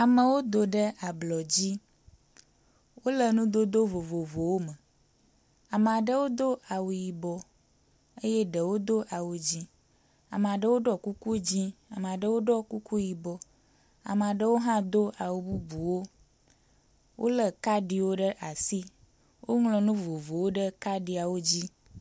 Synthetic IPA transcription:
a˨mə˨wo˦d̪o˨ɖə˦ʔa˨blɔ˨d͡ʑi˦ | wo˦lə˨nũ˦d̪o˦d̪o˦vo˨vo˨vo˨wo˦mə˨ | a˨m˨a˨ɖə˦wo˦d̪o˦a˨wu˨ji˨bɔ˨ | e˦je˦ɖə˨wo˦d̪o˦ʔa˨wu˨d͡ʑi˦ | a̰˨mə˨a˨ɖə˦wo˦ɖɔ˦˨ku˦ku˦d͡ʑi˦a˨m˨a˨ɖə˦wo˦ɖɔ˦ku˦ku˦ji˨bɔ˨ | a̰˨m˨a˨ɖə˦wo˦ɦã˦d̪o˦a˨wu˨bu˦bu˨wo˦ | wʔo˦lə˨ka˦ɖi˦wo˦ɖə˦ʔa˨si˦ | wo˦ŋlɔ̃˨nũ˦vo˨vo˨wo˦ɖə˦ka˦ɖi˨˦a˨wo˦d͡ʑi˦

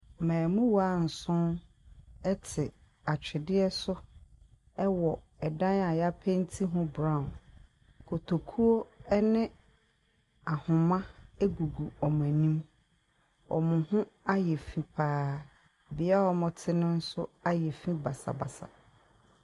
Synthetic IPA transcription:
mɛ̃ː˨mʊ̃˦wa˦˨n̩˨sʊ̃˦n | ɛ˦tʰɪ˨ | a˨t͡ɕᶣɪ˨dɪ˦ɛ˦sʊ˦ | ɛ˦wɔ˨ | ɛ˨dã˦na˨ja˦pʰẽ˦n˦tʰi˦ɦʊ̃˦bɾã˦˨ʊ̃˨n | kʰo˨tʰo˨kʰu˦o˦ɛ˦nɪ̃˦ | a˨hʊ̃˨mã˦æ˦ɡu˨ɡu˨ɔ˨m̃˨æ˨nĩ˦m | ɔ̰˨mʊ̃˨hʊ̃˦a˦jɛ˨fĩ˦pʰaː˦ | bɪ˨˦a˦ɔ˨mʊ̃˨tʰɪ˦nʊ̃˦n̩˦sʊ˦a˦jɛ˨fĩ˦ba˨sa̰˨ba̰˨sa̰˨

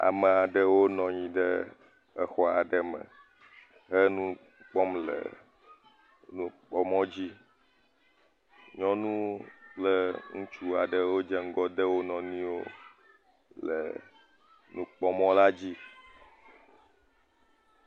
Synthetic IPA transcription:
a̰˨mə˨a˨ɖə˨wo˦nɔ̃˨ɲĩ˨ɖə˦ | ə˨xɔ˦a˨ɖə˨mə̰̃˨ | ɦə˦nũ˦ | k͡pɔ˦mlə̰˨ | nũ˦k͡pɔ˦mɔ̃˦d͡ʑi˦ | ɲɔ̃˦nũ˦k͡plə˦ŋũ˦t͡ʃu˦a˨ɖə˨wo˦d͡ʒɛ˦ŋ̩˦ɡɔ˦d̪ə˦wo˦nɔ̃˨nĩ˦wo˦ | lə̰˨ | nũ˦k͡pɔ˦mɔ̃˦la˦d͡ʑi˦

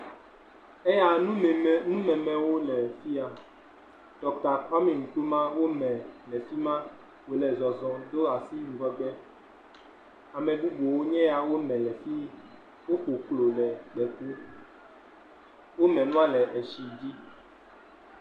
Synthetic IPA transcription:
ɛ˦ja˦ũ˦˨nũ˦mɛ̃˨mɛ̃˨wo˦lɛ˨fi˦a˨ | t̪ɔ˨ta˨ɸa˦mɛ̃˨ŋũ˨t̪o˦mã˦wo˦mɛ̃˨lɛ˨fi˦mã˦ | wo˨lɛ˨zɔ˨zɔ̃˨d̪o˦a˨si˦nũ˨vɔ˦ɡ͡bɛ˦ | a˨mɛ̃˨ɖu˦ɡ͡bo˨wo˦ɲɛ̃˦ja˨wo˦mɛ̃˨lɛ˨fi˦ | wo˦ɸo˨klo˨lɛ˨k͡pɛ˨ku˦ | wo˦mɛ̃˨nũ˦a˦lɛ˨ʔe˨ʃi˨d͡ʑi˦

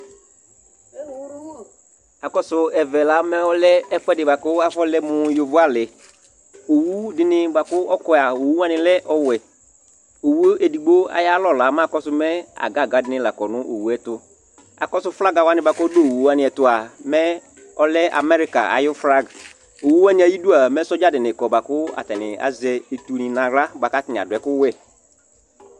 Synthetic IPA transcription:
a˨kɔ˦sʊ˨ɛ˨vɛ˨la˨˦mɛ˦ɔ˦lɛ˦ɛ˦fɛ˦dɪ˨ba˨kʊ˦a˨fɔ˦lɛ˦mʊ˨jo˨vʊ˦a˦lɪ˨ | o˨wu˦dɪ˦nɪ̃˦ba˨kʊ˦ɔ˦kɔ˦˨a˨o˨wu˦a˦nɪ̃˨lɛ˦ʔɔ˦wɛ˨ | o˨wu˦ʔe˨di˨ɡ͡bo˦a̰˨ja˦lɔ˦˨la˨˦m˦a˦˨kɔ˦sʊ˨˦mɛ˦a̰˨ɡa˦˨ɡa˨˦dɪ˦nɪ̃˦la˨kɔ˨nʊ̃˦ʔo˨wu˦ɛ˦tʊ˦ | a̰˨kɔ˦sʊ˦fɾa˦ɡa˨wa˦nɪ̃˦ba˨kɔ˦do˦˨u˦a˦nɪ̃˨ɛ˨tʊ˨a˨mɛ˦ | ɔ˦lɛ˦ʔa̰˨mɛ˦ɾi˦ka̰˨a̰˨jʊ˦fɾa˦ɡ | o˨wu˦wa˦nɪ̃˦a˨ji˦du˦a˨mɛ˦sɔ˦d͡ʒa˦dɪ˨nɪ̃˨kɔ˨ba˨kʊ˦a̰˨tɛ˨nɪ˨a̰˨zɛ˨e˨tu˨nɪ̃˨nã˨ɾa˦ba˨ka˦tɪ˨n˨a̰˨dʊ˨ɛ˨kʊ˦wɛ˦

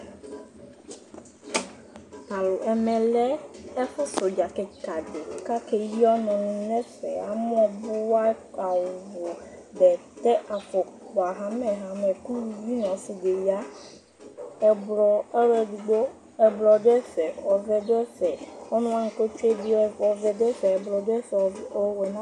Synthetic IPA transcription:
pa˨lo˨ʔɛ˨mɛ̃˨lɛ˦ɛ˦fɛ˦so˨d͡ʒa˨kɛ˨ka˨ɖe˨ka˦ke˨ji˦ɔ˦nɔ̃˨nũ˨˦nɛ̃˦fɛ̰˨a˨m˦ɔ̃˦˨bʊ˦wa˦a˨wʊ˨vo˨ | ɖɛ˨t̪ɛ˦ʔa˨fɔ˨k͡pɔ˨a˨ɦa˦mɛ˨ɦa˨mɛ̃˨ku˦wu˦vi˦nɔ̃˨si˨de˨ji˦a˦ | ɛ˨blɔ˨ɛ˦ɾɛ˦du˨ɖo˦ | ɛ˨blɔ˨dɛ˦fɛ˨ɔ˨vɛ˦do˦ɛ˦fɛ˨ɔ˦nũ˦a˦ŋ̩˨ko˦t͡ʃe˦di˦ɔ˨vɛ˨d̪ɛ˦fɛ˨ɛ˨blɔ˨dɛ˦fwe˨nã˦

